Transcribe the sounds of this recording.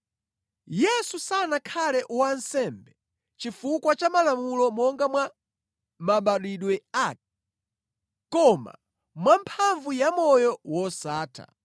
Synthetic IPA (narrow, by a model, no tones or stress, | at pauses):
jɛsusanakʰalɛʔwansɛmbɛ | t͡ʃifukwat͡ʃamalamulɔmɔŋɡamwa | maɓaɗwiɗwɛa | kɔma̰ | mwampʰaɱvujamɔjɔwɔsaːtʰa̰